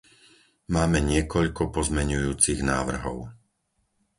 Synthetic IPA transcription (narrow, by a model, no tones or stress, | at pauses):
maːmɛɲɪɛkɔʎkɔpɔzmɛɲujuːt͡siɣnaːʋr̩ɦɔʊ